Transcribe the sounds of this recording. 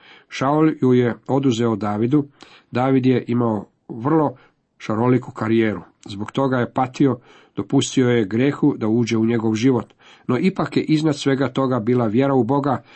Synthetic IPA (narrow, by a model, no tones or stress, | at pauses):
ʃauljuje̞o̞d̪uze̞od̪aːʋid̪u | d̪aːʋid̪je̞ʔimao | ʋr̩lˠo̞ | ʃaɾolikukaɾijeːɾu | zboɡt̪o̞ɡaje̞pat̪io̞ | d̪̥o̞pust̪io̞jeɡɾje̞xud̪auːd͡ʑe̞uɲe̞ɡo̞ʋʒiʋo̞t̪ | no̞ʔipakjeʔiznad̪sʋe̞ɡat̪o̞ɡabiːlaʋje̞ɾaubo̞ɡa